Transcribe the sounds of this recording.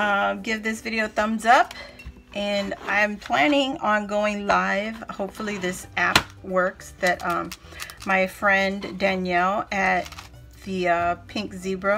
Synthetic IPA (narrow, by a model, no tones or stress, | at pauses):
ʌɡɪvðɪsvɪɾioʊθʌ̃mzʌp | ʔɨ̃nã̰ɪ̃mpʰl̥æ̃nɪ̃ŋɑ̃nɡoʊɪ̃ŋlaɪv̥hoʊpfl̩ˠiðɪsæp̚wɜ˞ksðɨt̚ʌ | maɪfɹɛ̃ndæ̃njɛlˠɨt̪̚ | ðɨʌpʰɪ̃ŋkzibɹoʊ